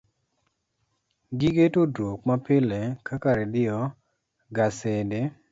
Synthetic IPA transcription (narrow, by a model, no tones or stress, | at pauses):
ɡiɡetodɾokmapɪlɛkakaɾedɪɔ | ɡasede